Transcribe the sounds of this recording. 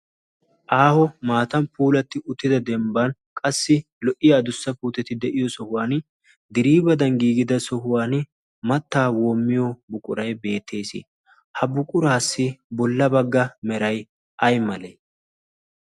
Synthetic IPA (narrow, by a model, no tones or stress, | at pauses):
ʔaːhɔmaːt̪ɐmpʰuːlɐt̪ːɪʊt̪ːɪd̪ɐd̪ɛmbankʼɐsːɪ | lɔʔɪjɐːd̪ʊsːɐpuːt̪ɛt̪ɪd̪ɛʔɪjɔsɔhʊwaːn | d̪ɪɾiːbɐd̪ɐnɡiːɡɪd̪ɐsɔɦʊwaːn | mɐt̪ːaːwoːmːɪjɔbʊkʼʊ̰ɾɐjbe̞ːt̪ʰːe̞ːsɪ̰ | hɐbʊkʼʊɾaːsːɪbɔlːɐbɐɡːɐmɛɾɐj | ʔɐjmɐleː